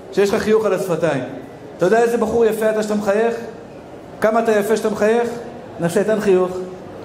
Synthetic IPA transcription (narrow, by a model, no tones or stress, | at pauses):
ʃejeʃχaχijuχalasfat̪aim | t̪ajodeaezebaχuʁjafeat̪aʃt̪amχaje̞χ | kamaːt̪ajafeʃat̪amχaje̞χ | naseit̪anχijuχ